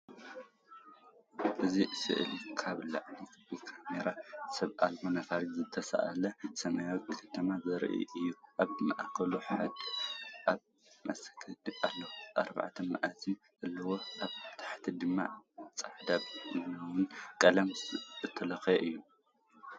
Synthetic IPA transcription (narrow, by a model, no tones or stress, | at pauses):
ʔɨzisɨ̰ʔɨ̰lkʰaβla̰ʕnikʰbɨkʰameɾasɐβʔa̰lbonɐfaɾizɨt̪ʰɐsa̰ʔa̰lɐsɐmajawt̪kʰɐt̪ʰɐmazɨɾʔḭʔɨjːuʔaβmɐ̰ʔakɐluħad̪ʔaβ | ma̰sɐ̥kʰɐd̪ʔalːɐwʔa̰ɾba̰ʕt̪ʰɐma̰ʔazin | ʔɨlːɐwo̞ʔaβt̪ʰḁħt̪ʰid̪ɨmːa̰t͡sʼaħd̪aβɨlɐwʊnkʼɐlɐmɨt̪ʰːɐlɐxeʔɨjːu